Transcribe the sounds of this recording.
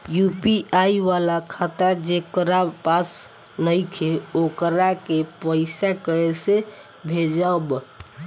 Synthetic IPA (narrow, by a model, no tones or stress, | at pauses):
jupiʔaiʋalakʰat̪əɾd͡ʒekəɾapas | nəjkʰeokɾakepəɪsakəɾese | bʱed͡ʒab